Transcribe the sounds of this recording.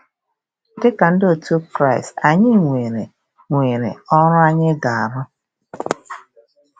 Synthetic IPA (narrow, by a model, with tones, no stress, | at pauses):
dɪ˦ka˨n̩˦do˨to˦kɾa˦˨ɪ˨sta˨ɲɪ˦ŋʷe˨ɾe˨ | ŋʷe˨ɾḛ˨ɔ˦ɾʊ˦a˦ɲɪ˦ɡa˨a˨ɾʊ˦